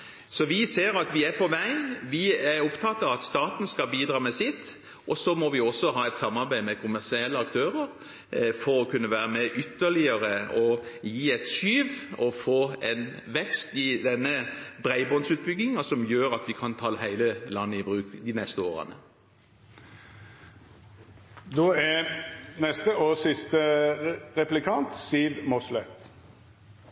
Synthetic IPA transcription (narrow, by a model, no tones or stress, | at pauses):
sɔʋɪseːɾɑt̪ʋɪæpʰɔʋæɪnʋɪæɾʊpt̪ʰɑt̪ːɑʋɑt̪st̪ɑːt̪n̩skɑbiːd̪ɾɑːmɛsɪt̪ː | ʔɔsɔmɔʋɪɔsːɔɦɑːɛɪt̪sɑmːɑɾbæɪmɛkʰʊmæʁsɪɛlːəɑkt̪ʰøːɾəɾ | fɔɾɔkʰʉnːəʋæːɾəmɛʔʏt̪ːəlɪəɾəɔjiːɛɪt̪ʃyːʋɔfoːɛ̰nʋɛkst̪ɪd̪ɛnːəbʁæɪbɔnsʉːt̪̚bʏɡɪŋɑsɔmjøːɾɑt̪ʋɪkʰɑnt̪ʰɑːlɦæɪləlɑnːəɪbʁʉːkd̪ɪnɛst̪əoːʁə̰nə̰ | d̪oːænɛst̪əoːsɪst̪ə | ʁɛplɪkʰɑnt̪siːlmɔslɛt̪